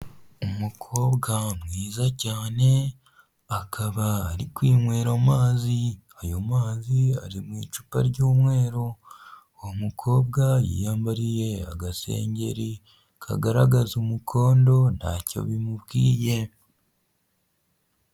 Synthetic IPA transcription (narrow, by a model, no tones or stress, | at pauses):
umukʰo̞ːbɡamŋiːzacaːne̞ | akʰaβaːɾikwiːmwe̞ːɾomaːzi | ajomaːzia̰ɾimwiːt͡ʃu̥pa̰ɾɟoːmwe̞ːɾo̞ | womukʰo̞ːbɡajḭːjaːmbaɾije̞a̰ɡasḛːɲɟe̞̰ɾi | kʰa̰ɡaɾaɡazumukʰo̞ːndo̞na̰co̞̰βimuβɡiːje̞